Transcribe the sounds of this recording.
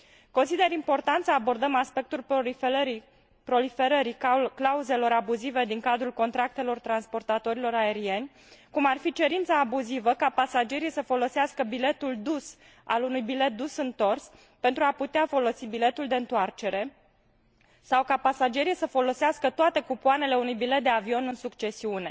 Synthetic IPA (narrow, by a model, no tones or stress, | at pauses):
ko̞nsid̪e̞ɾimpo̞rt̪ant̪səabo̞rd̪əmaspe̞k̚t̪uli | pɾo̞life̞ɾəɾiklauze̞lo̞ɾabuzive̞d̪iŋkad̪ɾulko̞nt̪ɾak̚t̪e̞lo̞rt̪ɾanspo̞rt̪at̪o̞ɾilo̞ɾae̞ɾie̞nʲ | kumarfit͡ʃe̞ɾint̪saːbuzivəkapasad͡ʒe̞ɾijsəfo̞lo̞seaskəbile̞t̪uld̪us | a̰lunujbile̞t̪̚d̪usɨnt̪o̞rs | pe̞nt̪ɾuaput̪eafo̞lo̞sibile̞t̪uld̪e̞ɨnt̪oart͡ʃe̞ɾe̞ | sawkapasad͡ʒe̞ɾijsəfo̞lo̞seaskət̪oat̪e̞kupuane̞le̞unujbilet̪̚d̪eavio̞nɨnsukt͡ʃe̞siune̞̰